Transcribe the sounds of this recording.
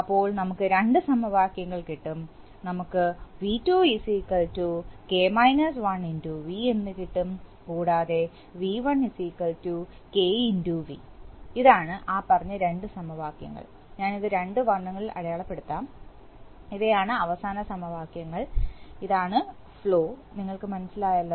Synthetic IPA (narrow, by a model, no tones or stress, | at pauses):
ɐpːo̞ːɭnɐmukːɨɾe̞ɳɖɨsɐmɐʋaːkjɐŋːɐɭkiʈːum | nɐmukːɨʋitːuːisiːkːɐltuke̞ːmɐjnɐs̬ʋɐɳinduːʋienːɨkiʈːum | kuːɽaːðe̞ | ʋiːʋɐɳisiːkːɐltu | ke̞ːinduːʋi | iðaːɳɨʔaːpːɐrɐɲːɐɾe̞ɳɖɨsɐmɐʋaːkjɐ̰ŋːɐ̰ɭ | ɲaːniðɨɾe̞ɳɖɨʋɐɳːɐŋːɐɭilʔɐ̰ɽɐjaːɭɐpːe̞ɽut̪ːaːm | iðejaːɳɨɐʋɐsaːnɐsɐmɐʋaːkjɐŋːɐɭiðaːɳɨ | fɭo̞ːniŋːɐɭkɨmɐnɐsːilaːjɐlːɐ